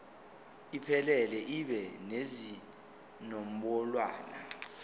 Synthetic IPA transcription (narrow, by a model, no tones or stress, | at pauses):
ipʰɛlɛlɛʔiɓɛnezi | nom̩ɓɔlwaːna